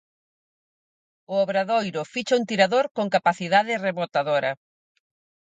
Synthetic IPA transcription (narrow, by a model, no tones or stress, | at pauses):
ʊoβɾaðojɾʊfit͡ʃɐuŋt̪iɾaðoɾkoŋkapaθiðaðɪreβot̪aðoɾɐ